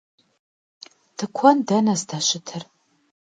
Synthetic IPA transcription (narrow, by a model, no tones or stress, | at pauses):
d̥ʰɨkʷʰɔndɐnɐzdaɕɪtʰɨr